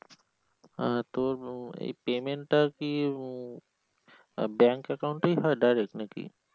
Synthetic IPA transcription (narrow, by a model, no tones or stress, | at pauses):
t̪oːɾḛpeːmẽɳʈaki | bɛ̃ːŋkekaʊɳʈiɦɔjɖajɾek̚nekḭ